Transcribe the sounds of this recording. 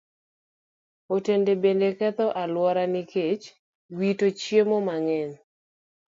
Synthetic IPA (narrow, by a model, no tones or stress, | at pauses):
otendebendekɛt̪ɔʔalwɔɾanɪket͡ʃ | witot͡ʃjemomaŋɛn